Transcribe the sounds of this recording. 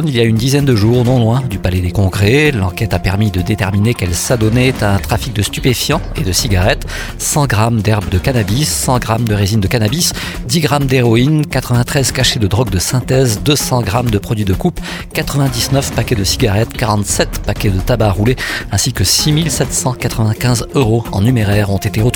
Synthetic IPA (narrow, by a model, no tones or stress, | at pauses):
niljaynd̪izɛnd̪əʒuːʁnɔ̃lwɛ̃d̪ypalɛd̪ekɔ̃ɡʁelɑ̰̃kɛt̪apɛʁmid̪əd̪et̪ɛʁminekɛlsad̪ɔnet̪aɛ̃t̪χafik̚d̪əst̪y̥pefjɑ̃ed̪əsiɡaʁɛt̪ | sɑ̃ɡʁamd̪ɛʁbd̪əkanabisːɑ̃ɡʁamd̪əʁezind̪əkanabis | d̪iɡʁamd̪eʁɔinkat̪χəvɛ̃t̪χɛzkaʃed̪əd̪ʁɔɡd̪əsɛ̃t̪ɛzd̪əsɑ̃ɡʁamd̪əpχɔd̪ɥid̪əkup | kat̪χəvɛ̃d̪iznœfpakʲɛd̪əsiɡaʁɛt̪kaʁɑ̃t̪sɛt̪pakʲɛd̪ət̪abaʁuleɛ̃sikəsimilsɛt̪sɑ̃kat̪χəvɛ̃kʲɛ̃zøʁoɑ̰̃nymeʁɛʁɔ̃t̪et̪eət̪